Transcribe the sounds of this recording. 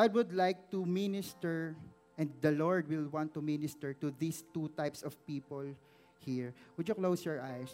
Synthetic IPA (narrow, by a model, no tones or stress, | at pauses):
ɡad̪̚wʊd̪lajk̚t̪umɪnɪst̪ɛɹ | ʔɛ̃nd̪̚d̪ɐlɔɹd̪wɪlwãnt̪ːumɪnɪst̪ɛɹt̪ʊðist̪ut̪ajpsɔv̥piːpɔl | hiɹwʊd͡ʒjʊklowsjɔɹʔajs